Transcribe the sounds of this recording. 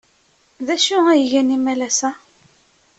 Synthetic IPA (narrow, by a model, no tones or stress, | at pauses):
ðæʃuæjəʝænimælæsæ